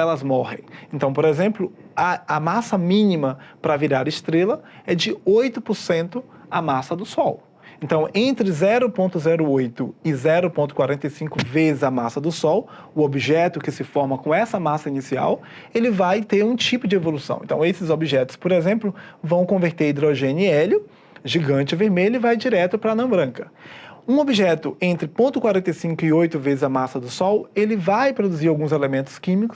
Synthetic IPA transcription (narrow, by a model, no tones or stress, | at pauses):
ɛlɐzmɔhḛ̃j̃ẽnt̪ɐ̃w̃poɾezẽmplʊɐɐmasɐmĩnĩmɐpɾɐviɾaɾɐɪst̪ɾelɐɛd͡ʒɪojt̪ʊpoɾsẽnt̪ʊ | ɐmasɐd̪ʊsɔw | ẽnt̪ɐ̃w̃ʔẽnt̪ɾɪzɛɾʊpõnt̪ʊzɛɾʊojt̪ʊɪzɛɾʊpõnt̪ʊkwaɾẽnt̪ɐjsĩkʊvezɪzɐmasɐd̪ʊsɔw | ʊobiʒɛt̪ʊkɪsɪfɔɾmɐkõɛsɐmasɐinisia̰w | elɪvajt̪eɾũt͡ʃipʊd͡ʒɪevolusɐ̰̃w̃ḛ̃t̪ɐ̰̃w̃esɪzobiʒɛt̪ʊ̥spoɾezẽmplʊvɐ̃w̃kõveɾt̪eɾid̪ɾoʒẽniɛlʊ | ʒiɡɐ̃t͡ʃɪveɾmeʎʊɪvajd͡ʒiɾɛt̪ʊpɾɐnɐ̃bɾɐ̃kɐũobiʒɛt̪ʊʔẽnt̪ɾɪpõnt̪ʊkwaɾẽnt̪ejsĩŋkʊɪojt̪ʊvezɪzɐmasɐd̪ʊsɔwelɪvajpɾod̪uziɾawɡũzelemẽnt̪ʊ̥skĩmikʊ̥s